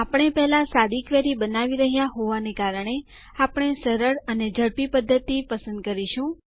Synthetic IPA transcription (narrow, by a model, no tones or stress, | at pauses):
apɳ̃epɛɦlasad̪ikʋeɾibənaʋiɾəɦijaɦoʋanekaɾəɳ̃e | apɳ̃esəɾəɽəned͡ʒʱəɽpipəd̪ʱːət̪ipəsə̃nd̪̚kəɾiʃũ